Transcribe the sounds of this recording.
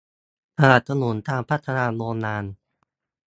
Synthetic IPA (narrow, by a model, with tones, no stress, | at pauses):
t̪ʰa˧na˨˩t̪̚sʰa˧nu˩˦nt̪aː˧ŋpʰa˦˥˩t̪ʰːa˧naː˧loː˧nnaː˧n